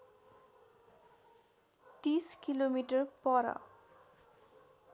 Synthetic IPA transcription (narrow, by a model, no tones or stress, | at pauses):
t̪iskilomiʈʌrpʌɾʌ̰